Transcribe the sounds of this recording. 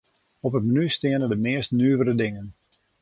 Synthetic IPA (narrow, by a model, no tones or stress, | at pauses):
ɔpət̚mənystɪənədəmɪːəstnyːəʋəɾədɪŋən